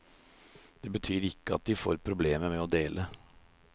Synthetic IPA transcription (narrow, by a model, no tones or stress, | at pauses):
d̪̥eːbət̪ʰyːɾɪkːəɑt̪̚d̪ɪfo̰ːɾpʰɾʊbleːməmɛɔd̪eːlʔə